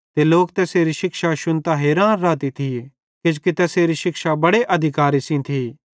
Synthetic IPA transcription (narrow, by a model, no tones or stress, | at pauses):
t̪eloːkt̪ɛːseɾiʃɪkʃaʃʊnt̪aɦeːɾãːnɾaːt̪it̪ʰi | kɪd͡ʒkit̪ɛːseːɾiʃɪkʃabɐɽeʔɐd̪ʱɪkaːɾisĩt̪ʰiː